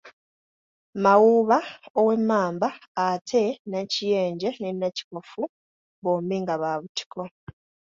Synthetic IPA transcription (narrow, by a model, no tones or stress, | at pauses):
mawuːβaowe̞mːaːmbaːtʰe̞nacije̞ːɲɟe̞nenːaci̥kofu | βoːmbiŋɡaβaːβuti̥kʰo